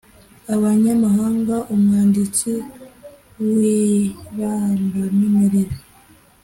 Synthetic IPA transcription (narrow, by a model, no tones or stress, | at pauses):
aβaɲamaɦaːŋɡaʔumŋaːndit͡si | wiβambamemeɾeɾe